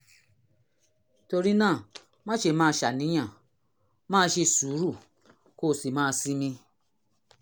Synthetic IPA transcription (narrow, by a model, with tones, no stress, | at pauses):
to˧ɾi˦nãː˦˨ | mã˦ʃe˨˦mãː˦˧˦ʃa˨nĩ˨˦j̃ã˦˨ | mãː˦ʃe˧su˨˦ɾu˦˨ | koː˦˨si˨mãː˦˧si˦mĩ˧